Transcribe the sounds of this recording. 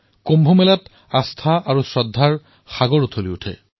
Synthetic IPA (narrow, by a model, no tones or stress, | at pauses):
kombʱomɛlat | ast̪ʰaaɹusɹɔdʱːaɹ | xaɡoɹut̪ʰoliutʰɛ̰